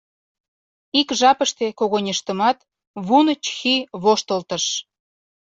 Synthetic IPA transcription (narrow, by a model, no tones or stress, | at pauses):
ikʒɑpəʃt̪ekoɣonʲeʃt̪əmɑt̪ | βunət͡ɕxiβoʃt̪əlt̪ə̆ʃ